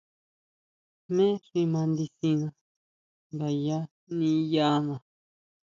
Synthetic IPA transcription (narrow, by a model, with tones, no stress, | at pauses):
mẽ˦ʂi˧mã˧nd̪i˧sĩ˧nã˧ | ba˧˨ja˦ | nĩ˧ja˧˦mã˨